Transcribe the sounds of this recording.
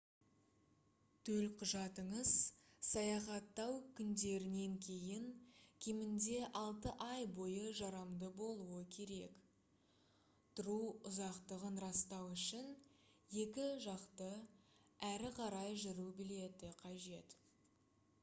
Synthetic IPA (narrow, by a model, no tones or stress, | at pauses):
t̪ʰɵlqʰʊʒɑt̪əɴəz̥ | sɑjɑχɑt̪ːɑwkʲʰʏnd̪e̞ɾɪne̞ŋkʲʰe̞jɪŋkʲʰe̞mɪnd̪e̞ʔɑlˠt̪əʔɑjbo̞jəʒɑɾɑmd̪əbo̞lˠuəkʲʰe̞ɾe̞k | t̪ʰʊɾuʊzɑqt̪əʁənɾɑst̪ɑwʏʃɪn | je̞kʲɪʒɑqt̪ə | æɾɪqʰɑɾɑjʒʏɾubɪle̞t̪ɪqʰɑʒe̞t̪